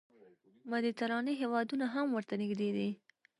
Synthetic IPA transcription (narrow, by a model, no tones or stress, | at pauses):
mad̪it̪aɾɑniɦewɑd̪unaɦamwəɾt̪anɪɡd̪ed̪i